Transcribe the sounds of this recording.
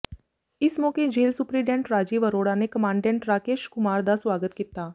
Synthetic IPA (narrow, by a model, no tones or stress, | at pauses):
ɪsmɔːked͡ʒeːlsʊpɾiːɖɛ̃ɳʈɾaːd͡ʒiːʋəɾoːɽanekɐmãːɳɖɛ̃ɳʈɾaːkeːʃkʊmaːɾd̪asʋaːɡət̪̚kiːt̪aː